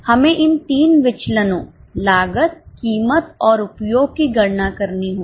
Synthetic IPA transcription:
hɐmẽʔɪnt̪iːnʋɪt͡ʃlənõːlaːɡət̪̚kiːmət̪ɔːɾʊpjoːɡ̚kiɡɐɽnakɐɾniɦõː

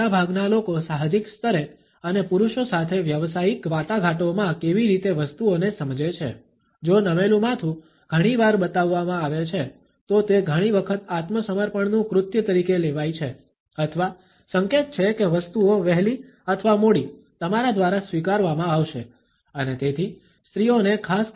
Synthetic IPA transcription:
abʱaɡnalokosaɦd͡ʒikst̪əɾe | ənepuɾuʃosat̪ʰeʋjəʋsaikʋat̪aɡʱaʈomãkeʋiɾit̪eʋəst̪uonesəmd͡ʒet͡ʃʰḛ | d͡ʒonəmelũmãt̪ʰũ | ɡ̥ʱəɽ̃iʋaɾbət̪aʋːamãaʋet͡ʃʰe | t̪ot̪eɡʱəɽ̃iʋəkʰət̪at̪məsəməɾpəɳnũkɾʊt̪jət̪əɾikeleʋajt͡ʃʰe | ət̪ʰʋa | səŋket̪̚t͡ʃʰekeʋəst̪uoʋɛɦli | ət̪ʰʋamoɽi | t̪əmaɾad̪ʋaɾasʋikaɾʋamãaʋʃḛ | ənet̪et̪ʰi | st̪ɾionekʰas

